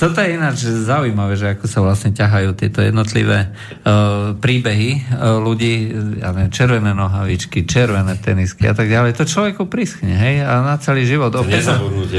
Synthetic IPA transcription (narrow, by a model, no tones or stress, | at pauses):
t̪ɔt̪ɔjɛinad͡ʒzaujmaʋɛːʒɛakɔsaʋlasɲɛcaɦajuːt̪ɪɛt̪ɔjɛ̰d̪nɔt̪lḭʋɛː | pɾiːbɛɦiluɟiːja̰ːnɛɛmt͡ʃɛɾʋɛnɛːnɔɦaʋit͡ʃkit͡ʃɛɾʋɛnɛːt̪ɛniskia̰t̪aɡɟalɛjt̪ɔt͡ʃlɔʋɛkupɾisxɲɛɦɛjanat͡sɛliːʒiʋɔd̪ɔpɛau